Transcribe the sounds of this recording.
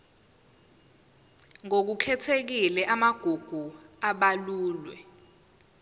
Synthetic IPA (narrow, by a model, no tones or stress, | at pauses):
ŋok̬ukʰɛtʰek̬ilɛʔamaɡ̥ʱuɡ̥ʱuaɓaluːlwɛ̰